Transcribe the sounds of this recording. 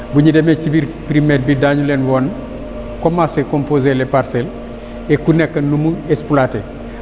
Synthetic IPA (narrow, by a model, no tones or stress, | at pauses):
buɲidemet͡ʃibiɾpɾimet̚bidaːɲulenwon | komasekompozelepaɾsel | ekunekːɐnnumuespulate